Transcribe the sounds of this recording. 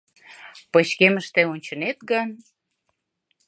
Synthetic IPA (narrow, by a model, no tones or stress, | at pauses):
pəɕkeməʃt̪eonʲt͡ɕə̆net̪̚ɡən